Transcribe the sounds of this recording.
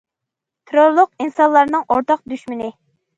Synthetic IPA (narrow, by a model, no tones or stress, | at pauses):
t̪ʰɾoɾlˠʊqinsɑnlˠɑɾnɨŋʔoɾt̪ʰɑq̚d̪yʃmɪnɪ